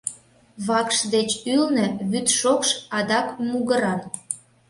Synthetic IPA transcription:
βɑkʃd̪et͡ɕylnĕβyt̪ʃokʃɑd̪ɑkmuɣəɾɑn

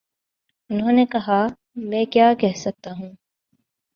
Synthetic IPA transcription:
unɦonekɐɦaː | mẽːkjaːkɛɦsɐk̚t̪aːɦũŋ

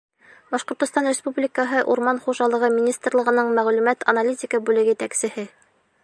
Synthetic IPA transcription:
bɑʃqŏɾt̪ŏst̪ɑnrʲɪspublʲɪkəɦɤʔuɾmɑnχuʒɑlˠɤ̆ʁɤmʲɪnʲist̪rlˠɤ̆ʁɤ̆nɤɴmæʁlʉmæt̪ɐ̰nalʲitʲɪkəbʉlɘɡjɘt̪æksɘ̆hɘ

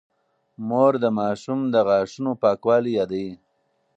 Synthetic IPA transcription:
moɾd̪əmɑːʃumd̪əɣɑːʂunopɑːkwɑːlijɑːd̪ai

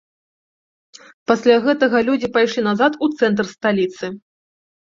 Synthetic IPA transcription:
pasʲlʲaɣɛt̪ɐɣɐlʲud͡zʲipajʂlʲinazat̪ut̪sɛnt̪̬rst̪alʲit̪sɨ

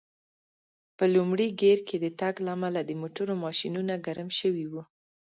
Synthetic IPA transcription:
pəlumɽiɡeɾkʰed̪ət̪aɡlaːmalad̪əmoʈʊɾomɑʃinunaɡaɾamʃəwiwu

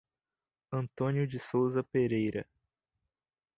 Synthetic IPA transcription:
ɐ̃nt̪õnjʊd͡ʒɪsowzɐpeɾejɾɐ̰

